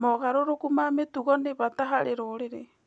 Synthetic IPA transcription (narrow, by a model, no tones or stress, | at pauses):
moɣaɾoɾokumametuɣɔneβataɦaɾeɾoːɾeɾe